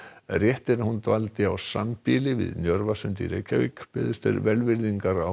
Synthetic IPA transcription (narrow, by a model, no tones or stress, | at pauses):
rjɛht̪ɪɾahunt̪valt̪ɪawsa̰mpɪːlɪvɪ̰ðnjœɾvasʏnt̪ḭɾḛːjcʰavɪkpɪðɪst̪ɛ̰ɾvɛlvɪɾðiŋkaɾa